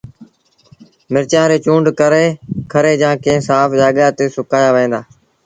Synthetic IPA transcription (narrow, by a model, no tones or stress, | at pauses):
mɪɾt͡ʃãːɾeːt͡ʃũːɳɖkəɾeːkʰəɾeːd͡ʒãːkẽːsaːfd͡ʒaːɠaːt̪eːsʊkaːjaːʋẽːnd̪aː